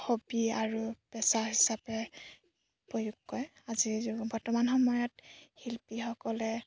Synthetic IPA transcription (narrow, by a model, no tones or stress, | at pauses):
xobiaɹub̥ɛsaɹhisapɛ | pɹɔjuɡːɔj | azizbɔɹtɔmanxɔmɔjɔthilpixɔkɔlɛ